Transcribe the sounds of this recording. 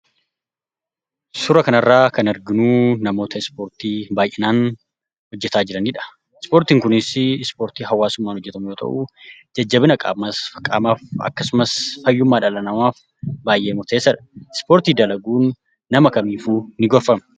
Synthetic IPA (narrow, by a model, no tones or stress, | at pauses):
sʊɾɐkɐnɐrːaːkɐnɛɾɡɪnuːnɐmo̞ːt̪ɐɪspoːɾt̪iːbaːjʔɛnaːn | hɔd͡ʒːɛt̪aːd͡ʒɪɾɐniːᶑɐ̥ | ɪspoːɾt̪iːŋkʊnɪsɪɪspo̞ːɾt̪iːɦɐwːaːsʊmːaːnhɔd͡ʒːɛt̪ɐmʊjoːt̪ʰɐ̰ʔud͡ʒɐd͡ʒːɐbɪnɐkʼa̰ːmɐsɐkʼa̰ːmaːfɐ̰kːɐsʊmɐsfɐjːʊmːaːᶑɐlɐnɐmaːf | baːjʔe̞ːmʊɾt̪eːsːɐᶑɐ̥ɪspoːɾt̪iːd̪ɐlɐɡuːnː | ɐmɐkɐmiːfuːnɪɡɔɾfɐmɐ